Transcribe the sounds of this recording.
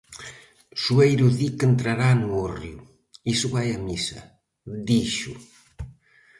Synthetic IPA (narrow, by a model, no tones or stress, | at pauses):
suejɾuðikent̪ɾaɾanuoriu | isuβajamisɐ̰ | d̪iʃu